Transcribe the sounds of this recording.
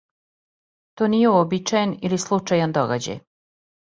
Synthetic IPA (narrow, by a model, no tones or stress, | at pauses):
t̪onijeuobit͡ʃajenilislˠut͡ʃajand̪oɡa̰d͡ʑa̰j